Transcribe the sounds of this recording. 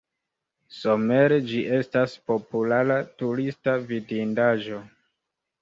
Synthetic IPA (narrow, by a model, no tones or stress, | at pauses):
so̞me̞ɾed͡ʒiʔe̞staspo̞pulaɾatuɾistavidindaʒo̞